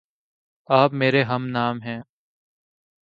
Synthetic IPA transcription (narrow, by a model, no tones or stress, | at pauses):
aːpmeːɾeɦɐmnaːmɦɛ̃ː